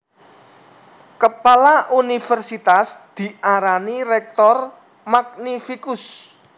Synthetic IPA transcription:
kəpalaʔunifərsit̪asd̪̥i̤ʔaɾanirɛk̚t̪ɔr | maknifikʊs

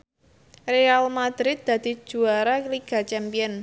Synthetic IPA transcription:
realmad̪ɾɪt̪̚d̪̥ä̤d̪̥i̤̥ʒ̥ṳaɾakliɡ̥a̤t͡ʃɛmpiɔn

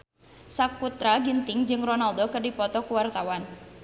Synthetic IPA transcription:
sakut̪ɾaɡint̪ɪŋd͡ʒɨŋrɔnald̪okərdipɔt̪ɔkuwart̪awan

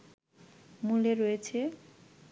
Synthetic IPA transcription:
muleɾojet͡ɕʰe

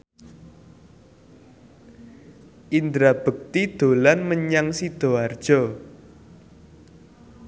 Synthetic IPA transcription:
ʔind̪ɾab̥ə̤k̚t̪id̪̥o̤lanməɲaŋsid̪̥o̤ard̥ʒ̥ɔ

